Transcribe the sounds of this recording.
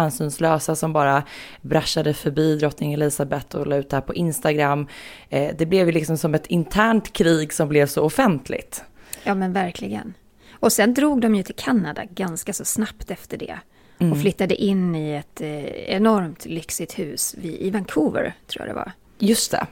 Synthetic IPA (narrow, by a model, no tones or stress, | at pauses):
ansyːnslœːsasɔmbɑːɾabɾaʃːad̪əfœɾbiːd̪ɾɔt̪nɪŋɛlɪsabɛt̪ːɔlɑːʉ̟ːt̪d̪ɛhæːɾpʰɔʔɪnst̪aɡɾamːd̪ɛblɛvjɵlɪksɔmsɔmɛt̪ʰɪnt̪ʰæːɳʈkʰɾiːɡsɔmblɛvsɔʊfɛnt̪ʰlɪ̰t̪jɑːmɛnvæɾkʰlɪɡə̰n | ɔsɛnd̪ɾuːɡ̚d̪ɔmjɵt̪ʰɪlkʰanːad̪a̰ɡanskasɔsnapt̪ɛft̪əɖɛ̰ | ɔflʏt̪ːad̪əʔɪnːɪɛt̪ɛ̰nɔɾmt̪lʏksɪt̪hʉ̟ːsvɪʔɪvankʰuːvə̰ɾt̪ʰɾṵːja̰d̪ɛ̰va̰ | jɵst̪ʰɛ̰